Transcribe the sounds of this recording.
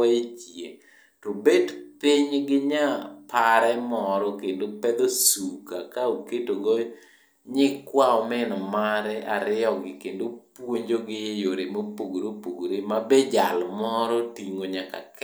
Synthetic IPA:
et͡ʃje | ɾobetpɪɲɡɪɲapaɾɛmɔɾɔkendopɛd̪osukakaoketoɡɔ | ɲɪkwaɔmɛnɔmaɾɛʔaɾɪɔɡɪkendopwoɲd͡ʒoɡɪjoɾemopoɡoɾopoɡɾemabɛd͡ʒalmɔɾɔtiŋoɲaka̰k

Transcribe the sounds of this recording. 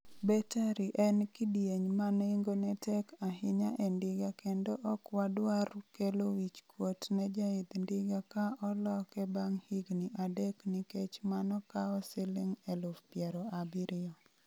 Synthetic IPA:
bɛtaɾiʔɛnkidjeɲmaniŋɡonɛtɛkaɦɪɲaʔendɪɡakendoʔɔkwadwarkelowit͡ʃkwotnɛd͡ʒaɪd̪ndɪɡakaɔlɔkɛbaŋhiɡniʔadɛkniket͡ʃmanɔkaɔselɪŋɛlʊfpjɛɾɔabiɾɪɔ

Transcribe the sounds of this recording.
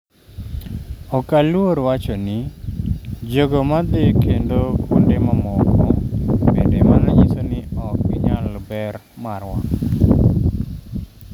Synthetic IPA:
ɔkalwoɾwat͡ʃɔnɪ | d͡ʒoɡomad̪ɪkʰendokʰundemamɔkɔmedemanaɲisonɪɔk̚ɪɲalbɛr | marwa̰ŋ

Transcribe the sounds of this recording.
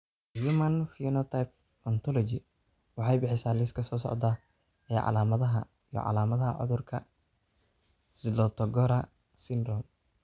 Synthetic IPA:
jumɐnfinɔt̪ʰajp̚ | ɔnt̪ʰɔlɔt͡ʃɪ | wɑħɑjbɪħɪsaːlɪskʰɐsɔːsɔ̰ʕd̪a | ɛːʕɑ̰laːmɐðɐɦɐ | ij̰ʕɑ̰laːmɐðɐɦɐ̰ʕʊ̰ðʊrkʰɐ | sɪlɔt̪ʰɔɡɔɾɐ | sɪnd̪rɔm

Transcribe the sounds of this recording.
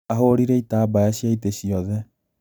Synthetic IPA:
aɦoɾiɾɛitaːbajaɕiaiteɕiɔðɛ

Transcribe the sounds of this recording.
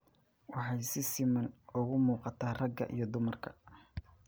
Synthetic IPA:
wɑħɑjsɪsɪmɐnʊɣʊmuːqɑt̪ʰaːrɐɡɐ̰ʔḭjɞd̪ʊmɐrkʰɐ̥

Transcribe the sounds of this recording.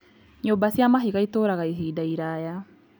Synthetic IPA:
ɲoːmbasjamaɦiɣaitoːɾaɣaiɦiːdaiɾaja

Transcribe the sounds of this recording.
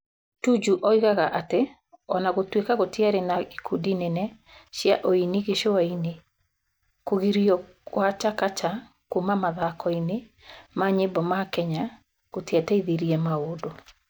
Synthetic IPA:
tud͡ʒuʔɔiɣaɣaʔate | ɔ̰naɣotwekaɣotiaɾenaikʰudinɛnɛ | ʃjaʔoiniɣeʃoaine | koɣiɾiɔ | wat͡ʃakat͡ʃa | kumamaðakɔine | maɲebɔmakɛɲa | ɣotiɛtɛiðeɾiɛmaodo

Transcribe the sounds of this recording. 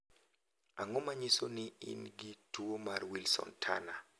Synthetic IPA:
aŋomaɲisonɪḭnɡituomarwilsɔ̰ntʰana

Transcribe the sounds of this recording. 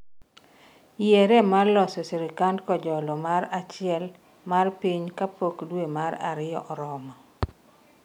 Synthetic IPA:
ijeɾemarlɔseseɾikandkɔd͡ʒɔlɔmaɾat͡ʃɪɛl | marpiɲkapokdwemaɾa̰ɾɪjɔʔɔɾɔma

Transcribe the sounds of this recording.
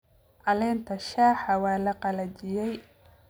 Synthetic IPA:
ʔɐlɛːnt̪ʰɐʃaːħɐwɑːlɐqɑlɐt͡ʃɪjɛj

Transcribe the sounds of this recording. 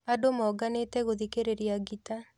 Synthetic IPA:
adomɔɡanetɛɣoðikeɾeɾiaɡita

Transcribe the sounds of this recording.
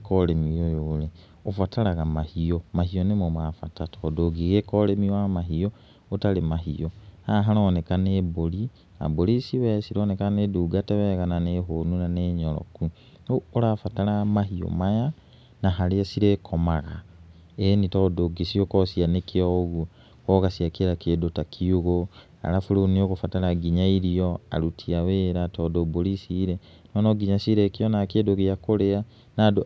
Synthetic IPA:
koɾemiojole | ofataɾaɣamahiomahionemomafatatʰoːdoɡiɣekolemiamaɦio | otalemaɦḭohaɦaɾoːnekaneːboli | a̰bolisiβɛsiɾoːnekaneduːɡateβɛɣananeɦonunaneɲoɾɔ̰ku | oːɾafataɾamaɦio̰maja | naɦaleasiɾekʰomaɣa̰ | enitɔdoɡesiokɔsianekeoɣu | kɔɣasiakeɾakeːdotakʰiuɣo | a̰ɾafuɾonioɣofataɾaɡiɲaiɾiɔa̰ɾutʰiaweːɾatɔːdoboɾisiɾe | nɔnɔɡiɲasiɾekiɔnakedokejakolea | nado

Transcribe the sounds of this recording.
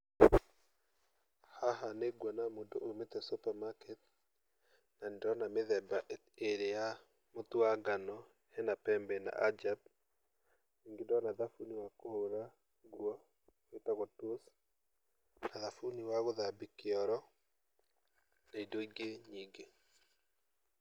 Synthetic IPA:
haɦaneɡwɔnamodoʔometɛsupamakɛt̚ | nandɔnameðɛbaʔ | eɾeja | motoaɡanɔ | hɛnapɛmbɛna̰ʔad͡ʒab̚ | niŋɡedɔnaðafuniwakohoɾa | ɡwɔ | oetaɣɔtos | naðafuniwaɣoðabikeɔɾɔ | naidoiɡeɲiŋɡe

